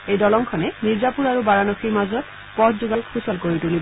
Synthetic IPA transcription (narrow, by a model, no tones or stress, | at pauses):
ejdɔlɔŋkʰɔnɛniɹzapuɹaɹubaɹanɔxiɹmazɔt̚ | pɔtʰzuɡalkʰusɔlkoɹitulib